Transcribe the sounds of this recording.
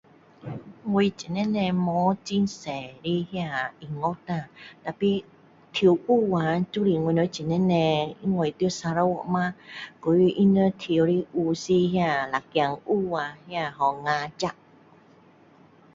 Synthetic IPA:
ŋu˧jt͡ɕi˨nɛ˧˥nɛ̃˧mɔ˨˦t͡ɕi˧nsɛ˨ɾi˧˦hja˧˨i˨ŋɔ˦t̪ã˧˨da˨pi˧ | t̪ʰi˧˨wʔu˦˨wa˨tu˦ɾi˧˨ŋu˧˨nɔ˧˦t͡ɕi˨nɛ˦˧˨nɛ̃˧i˧˦ŋo˧˩˨t̪sa˧ɾa˧˦wɔ̰˧˨ʔmã˧˦ku˨˦i˧ʔi˦nə˧˦t̪ʰi˧˨wɾi˧ʔu˧si˧ɦjã˧˨la˨kja˧˨ŋʔu˦˨wa˨˧hjã˧˨ɦɔ˨ŋã˧t͡ɕa˦˧ʔ

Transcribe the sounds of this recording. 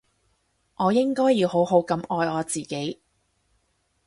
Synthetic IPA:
ʔɔː˨˧jɪ˥ŋkɔː˥jːiː˨˧who˨˥wɦo˨˥wkɐ˨˧mɔː˧jɔː˨˧t͡siː˨˩ke˨˥j

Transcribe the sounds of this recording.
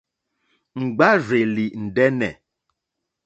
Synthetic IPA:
ŋ͡m̩˨ɡ͡ba˦ɾe˨li˨n̩˨dɛ˦nɛ̰˨

